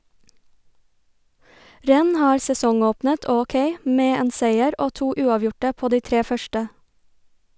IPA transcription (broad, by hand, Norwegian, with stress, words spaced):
ˈɾɛn̩ ˈhɑːɾ sɛˈsɔŋˌoːpnət ˌɔˈkeɪ ˈmeː ˈeːn ˈseɪəɾ ˈoː ˈtuː ˈʉːɑˌʋjʊʈə ˈpoː ˈdiː ˈtɾeː ˈfœʃʈə